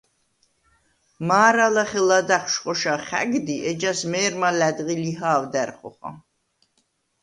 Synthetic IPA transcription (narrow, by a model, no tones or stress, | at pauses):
maːɾalaχɛlad̪aχʃqʼɔʃaχæ̰ɡd̪iʔɛd͡ʒasmɛːɾmalæd̪ʁiliɦaːvd̪æɾχɔ̰χa̰